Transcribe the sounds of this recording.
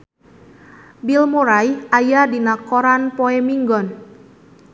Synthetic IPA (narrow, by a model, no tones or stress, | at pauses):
bilmuɾajʔajadinakɔɾanpɔɛmiŋɡɔn